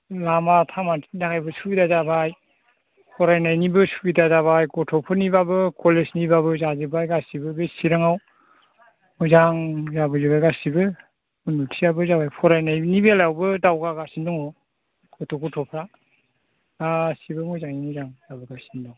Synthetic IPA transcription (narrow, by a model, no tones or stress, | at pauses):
lamatʰamatʰinakajbɯsubidazabaj | pʰɔɾajnajnibɯsubidazaβajkɔtʰɔpʰɯɾnibabɯkʰɔlesnibaβɯzazɯbajɡasibɯbesiɾaŋaw | mɔjzaŋzabɯzɯbajɡasibɯ | ɯnutʰijabɯzaβajpʰɔɾajnajnibelawbɯdawɡaɡasindɔŋɔ | kɔtʰɔɡɔtʰɔpʰɾa | asibɯmɔjzaŋinizaŋzabɯɡasindɔŋ